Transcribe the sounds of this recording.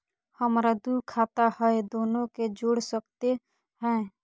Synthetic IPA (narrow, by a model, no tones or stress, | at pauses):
həmɾad̪ukʰaːt̪ahɛed̪oːnõked͡ʒoːɽsəkt̪e | ɦɛ̃ː